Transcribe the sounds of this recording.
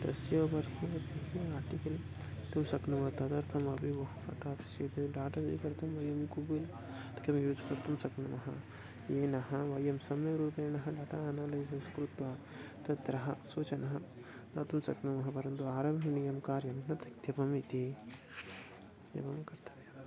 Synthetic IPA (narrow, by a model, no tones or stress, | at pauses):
d̪ɐ̰sjɐbɐɾɦiɐt̪iɦeaːɾʈikɐl | t̪umsɐknɐmɐt̪ɐd̪ɐɾt̪ʰɐmɐbʱiʋɐɦupɐʈaːt̪i̥sjɐːt̪ɐɖaːʈɐsḭkɐɾt̪ʰɐmʋɐjɐmkubil | t̪ɐ̥kɐmjuːd͡ʒkɐɾt̪ɐmsɐknɐmɐɦɐ̰ | jeːnɐɦɐʋɐjɐmsɐmɐɾuːpeːnɐɦɐɖaːʈaɐnaːlɐjsɐskɾut̪ʋɐ | t̪ɐt̪ɾɐɦɐsoːt͡ʃɐnɐɦɐ | t̪ɐt̪umsɐknɐmɐɦɐpɐɾɐnt̪uaːɾɐmɦunijɐmkaːɾjɐnnɐt̪ɐkt̪jɐpɐmit̪i | d̪ḛbɐmkɐɾt̪ʰɐ̥mjɐ